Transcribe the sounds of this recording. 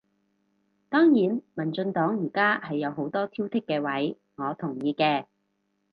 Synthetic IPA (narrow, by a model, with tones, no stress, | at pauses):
t̪ɔː˥ŋjiː˨˥nmɐ˨˩nt͡ʃɵ˧nt̪ɔː˨˥ŋjiː˨˩kaː˥hɐ˨jːɐ˨˧wɦo˨˥wt̪ɔː˥t̪ʰiː˥wt̪ʰɪ˥kːɛː˧wɐ˨˥j | ŋɔː˨˧t̪ʰʊ˨˩ŋjiː˧kɛː˧